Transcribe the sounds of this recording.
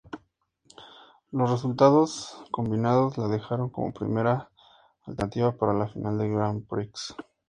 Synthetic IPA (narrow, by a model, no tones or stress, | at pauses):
lo̞sre̞s̬ult̪aðo̞sko̞mbinaðo̞zlaðe̞xaɾo̞ŋko̞̰mo̞̰pɾḭme̞ɾaː | lt̪enat̪iβapaɾalafinʔald̪eɡɾambɾiks